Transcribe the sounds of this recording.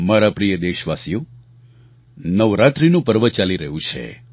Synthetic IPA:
maɾapɾijəd̪eʃʋasijo | nəʋɾat̪ɾinũpəɾʋət͡ʃaliɾəɦũt͡ʃʰḛ

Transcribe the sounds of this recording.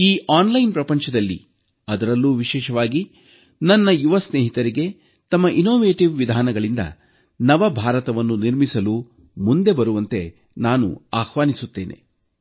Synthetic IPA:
iːʔaːnlɐjnpɾɐpɐɲt͡ʃɐd̪ɐlːḭ | ɐd̪ɐɾɐlːuːʋiʃɛːʃɐʋaːɡi | nɐnːɐjuʋɐsneːɦit̪ɐɾiɡe̞ | t̪ɐmːɐʔinoːʋe̞ːʈiʋʋid̪ʱaːnɐɡɐɭind̪ɐ̰ | nɐʋɐbʱaːɾɐt̪ɐʋɐnːuniɾmisɐlu | mund̪e̞bɐɾuʋɐnt̪e̞ | naːnṵaːhʋaːnisut̪ːe̞ːnʔe̞̰

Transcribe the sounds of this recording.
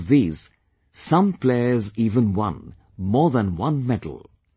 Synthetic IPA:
vðiːz̥ | sʌ̃mpʰl̥eɪəziːvə̃nwʌ̰̃n | mɔɹðə̃nwʌ̃nmɛdl̩ˠ

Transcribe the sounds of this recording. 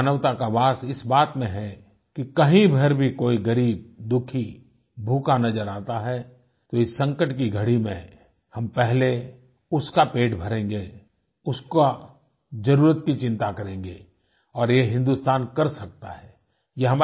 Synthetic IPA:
nəʋt̪akaʋaːsɪsbaːt̪mẽɦɛ | kikɐɦĩbʱɐɾbʱikoːiɡɐɾiːb̚d̪ʊkʰi | bʱuːkanɐzəɾaːt̪aɦɛ | t̪oɪsːɐ̃ŋkəʈkiɡʱɐɽimḛ̃ | hɐmpɛɦle | ʊskapeːʈbʱɐɾẽːŋɡe | ʊska | d͡ʒɐɾuːɾət̪kit͡ʃɪ̃nt̪akɐɾẽːŋɡeː | ɔːɾjeɦɪ̃nd̪ust̪aːnkɐɾsɐk̚t̪a̰ɦɛː | jeɦɐma

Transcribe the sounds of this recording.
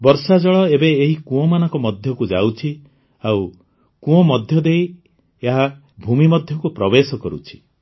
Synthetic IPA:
bɔɾsad͡ʒɔɭɔebeːɦikũɔmanɔŋkɔmɔd̪ʱjɔkud͡ʒa̰wt͡ʃʰi | aw | kũɔ̃mɔd̪ʱjɔd̪ej | eɦa | bʱumimɔd̪ʱjɔkupɾɔbesɔkɔɾṵt͡ʃʰi̥

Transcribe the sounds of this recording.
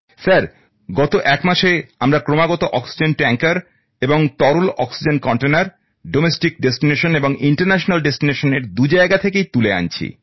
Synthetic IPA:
saɾ | ɡɔt̪oʔɛkmaʃeamɾakɾomaɡɔt̪oʔɔksid͡ʑenʈɛŋkaɾ | eboŋt̪ɔɾulɔksid͡ʑenkɔɳʈenaɾ | ɖomesʈik̚ɖesʈineʃoneboŋʔiɳʈaɾnɛʃonalɖesʈineʃoneɾd̪ud͡ʑaeɡat̪ʰekejt̪ulea̰nt͡ɕʰḭ

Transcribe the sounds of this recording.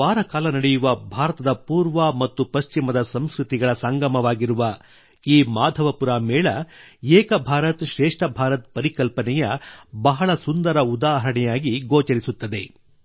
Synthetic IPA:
aːɾɐkaːlɐnɐɽɛjuʋɐbʱaːɾɐt̪ɐd̪ɐpuːɾʋɐmɐt̪ːupɐst͡ʃimɐd̪ɐsɐmskɾut̪iɡɐɭɐsɐŋɡɐmɐʋaːɡiɾuʋɐ | iːmaːd̪ʱɐʋɐpuɾaːmɛːɭɐɛːkɐbʱaːɾɐt̪ʃɾɛːʂʈɐbʱaːɾɐt̪̚pɐɾikɐlpɐnɛjɐbɐɦɐɭɐsund̪ɐɾɐud̪aːɦɐɾɐɳɛjaːɡiɡoːt͡ʃɐɾisut̪ːɐd̪e̞

